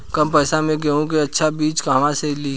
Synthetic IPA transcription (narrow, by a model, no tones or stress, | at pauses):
kɐmpɛːsamẽɡeũk̬eɐtːʃʰabiːt͡ʃkaːmãseli